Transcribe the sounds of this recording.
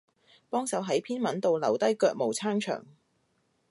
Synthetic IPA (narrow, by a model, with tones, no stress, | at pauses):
pɔː˥ŋsɐ˨˧wɦɐ˨˥jpʰiː˥nmɐ˨˥nt̪o˨wlɐ̰˨˩wt̪ɐ˥jkœː˧k̚mo˨˩wt͡sʰaː˥ŋt͡ʃʰœ̰ː˨˩ŋ